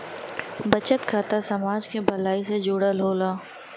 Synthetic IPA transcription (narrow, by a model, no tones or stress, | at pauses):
bɐt͡ʃət̪kʰaːt̪asɐmaːd͡ʒkebʱɐlaːised͡ʒuːɽəlɦoːlaː